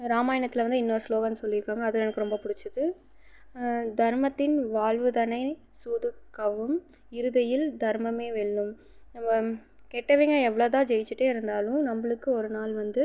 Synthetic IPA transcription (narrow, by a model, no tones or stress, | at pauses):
ɾaːmaːjɐnɐt̪ːɪlʋɐnd̪ɯɪnːɐsloːɣɐmnːɯsɔlːɪɾɯkːaːŋɡɐːðɯɛnɐkːɯɾɔmbɐpʊɽɪt͡ʃːɯðɯ | d̪ʱɐɾmɐt̪ːɪnʋaːɭʋɯðɐnɐɪ | suːðɯkːɐʋɯm | ɪɾɯðɐjɪld̪ɐɾmɐmeːʋɛɭːɯm | nɐmːɐ | kɛːʈːɐʋiːŋɡɐɛʋːɐɭoːðãːd͡ʒɛjɪt͡ʃːɯʈːeːɪɾɯnd̪aːlʊ̃nɐmbɐɭɯkːɯɔɾɯnaːlʋɐnd̪ɯ